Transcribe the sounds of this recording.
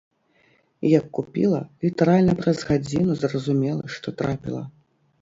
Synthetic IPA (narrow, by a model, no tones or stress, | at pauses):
jɐkːupʲilˠɐlʲit̪ɐɾalʲnɐpɾɐzɣad͡zʲinuzrɐzumʲɛlˠɐ̰ʂt̪ɔt̪ɾapʲḭlˠɐ̰